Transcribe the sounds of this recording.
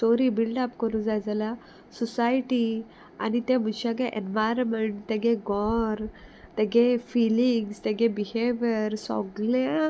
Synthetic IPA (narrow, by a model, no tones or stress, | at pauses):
soɾibilɖapkəɾũd͡zajd͡zala | sɔsajʈi | a̰nit̪ɛ̃m̤uɕãɡeʔenʋajɾmeɳʈt̪ɛɡeɡɔɾt̪ɛɡefiliŋɡst̪ɛɡɛ̃biheʋjəɾsɔ̰ɡle